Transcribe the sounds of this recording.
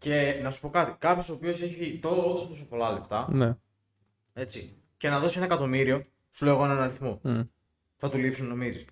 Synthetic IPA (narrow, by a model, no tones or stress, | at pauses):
ce̞nɐsu̥po̞kɐt̪ikɐpço̞soːpio̞se̞çit̪ot̪ost̪osopo̞lɐleft̪ɐne | e̞t͡si | ce̞nɐðo̞sie̞nɐekɐt̪o̞miɾio̞ | suleɣoenɐnɐɾiθmo | θɐt̪ulipsunno̞mizis